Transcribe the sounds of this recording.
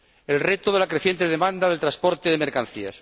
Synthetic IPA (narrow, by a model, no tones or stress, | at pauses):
e̞lret̪oðe̞lakɾeθje̞nt̪eðemãnd̪aðelt̪ɾaspo̞ɾt̪eðemeɾkanθias